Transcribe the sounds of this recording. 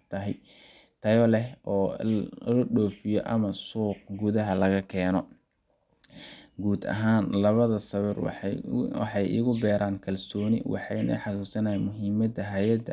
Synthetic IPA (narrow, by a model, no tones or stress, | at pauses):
t̪ʰɐɦɛj | t̪ʰɐjɔlɛɦɔːlɐɖɔːfɪjɔʔɐmɐsuːq̚ɡʊðɐɦɐlɐɣɐkʰɛːnɔ | ɡuːd̪ɐ̰ɦaːnlɐβɐðɐsɐβɪr | wɑ̰ħɑjʔɪ̰ɣʊbɛːɾʔaːnkʰɐlsɔːnɪ̰wʔɑ̰ħɑjnɐ̰ħɑsuːsɐnɐɛjmʊɦiːmɐd̪ɐɦajɐd̪